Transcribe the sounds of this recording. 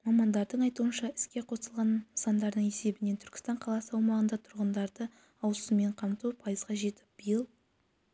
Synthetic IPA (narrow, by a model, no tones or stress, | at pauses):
mɑmɑnd̪ɑɾd̪əɴɑjt̪uənʃɑɪ̥skʲe̞qʰo̞səlˠʁɑnəsɑnd̪ɑɾd̪əɴe̞se̞bɪne̞t̪ʰʏɾkʲɪ̥st̪ɑɴqʰɑlˠɑsəɑwmɑʁənd̪ɑt̪ʰʊɾʁənd̪ɑɾd̪ə | ɑwsəme̞ɴqʰɑmt̪upʰɑjəzʁɑʒe̞t̪ɪ̥p̚b̥əjəlˠ